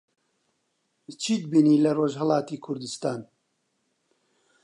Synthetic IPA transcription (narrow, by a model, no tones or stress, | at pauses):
t͡ʃʰiːd̪̚biːniːlɐroːʒhəlɑːt̪iːkʰʊɾd̪ɨst̪aːn